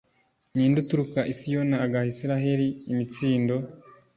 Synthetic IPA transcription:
ɲiːndutuɾukaʔisijo̞naːɡahisiɾaɦe̞ɾiːmit͡siːndo̞

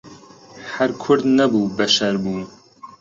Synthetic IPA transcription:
hɐɾkʰʊɾd̪nɐbuːbɐʃɐɾbuː

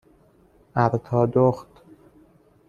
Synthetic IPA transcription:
ʔæɾt̪ʰɒːd̪oxt̪

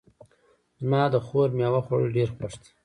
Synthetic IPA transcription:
zmɑːd̪əxoɾmjɑwaxoɽəlɖeɾxwaʂt̪

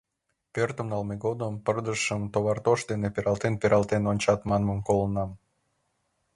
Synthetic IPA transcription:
pørt̪əmnɑlmeɣod̪əmpərd̪əʃəmt̪oβɑrt̪oʃd̪enepeɾʔɑlˠt̪enpeɾɑlˠt̪enonʲt͡ɕɑt̪mɑnməmkolənɑm

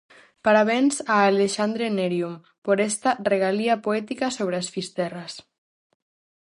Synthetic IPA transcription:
paɾaβɛnsaːleʃand̪ɾeneɾjum | poɾɛst̪areɣaliapoɛt̪ikasoβ̞ɾeasfist̪ɛras

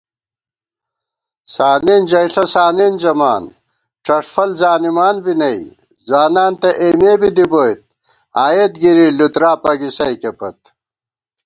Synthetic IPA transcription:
saːnind͡ʑɐjʂɐsaːnind͡ʑɐmaːn | ʈ͡ʂɐʂfɐlzaːnimaːnbinɐj | zwaːnaːnt̪ɐʔeːmeːbid̪iboːjt̪̚ | aːjet̪ɡiɾilut̪ɾaːpɐɡisɐjkepɐt̪̚

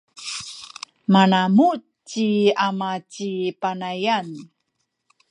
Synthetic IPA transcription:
manamu | t͡ɕiamat͡ɕipanajan

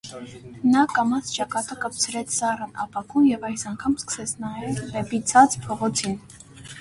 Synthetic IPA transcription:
nɑkɑmɑsʰt͡ʃɑkɑt̪əkəp̚t͡sʰəɾɛt͡sʰsɑrənʔɑ̰pɑkumjɛvɑjsɑŋkʰɑmskə̥sɛt͡sʰnɑjɛɾvɛpit͡sʰɑt͡spʰɔʁɔt͡sʰin

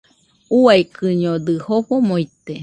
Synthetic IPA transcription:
uajkʰɨɲod̪ɨhoɸomoit̪e

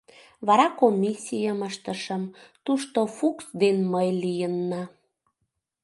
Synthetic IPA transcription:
βɑɾɑkomʲisʲijəməʃt̪əʃəmt̪uʃt̪ofuksd̪enməjlijənːɑ

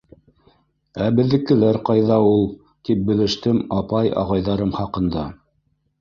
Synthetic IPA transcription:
æbɘ̆ðːɘ̆kɘ̆læɾqɑjðɑulˠ | t̪ip̚bɘ̆lɘ̆ʃt̪ɘmɑpɑjɑ̰ʁɑjðɑɾɤmχɑqɤ̆nd̪ɑ

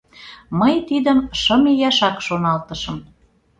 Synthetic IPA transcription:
məjt̪id̪əmʃə̆mejɑʃɑkʃonɑlt̪ə̆ʃə̆m

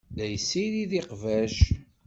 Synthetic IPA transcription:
læjəsːiliðiqvæʃ

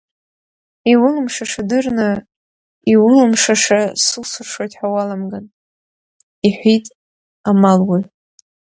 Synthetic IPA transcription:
iwʊlɨmʂaʂadɨrnɨ | iwʊlɨmʂaʂasɨlsɨrʂwojtʼħawalamɡan | iħʷitʼ | amalwi

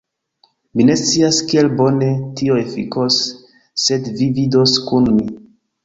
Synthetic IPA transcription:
mine̞st͡siaskie̞lbo̞ne̞tioefḭkosː | e̞dvividoskunmi

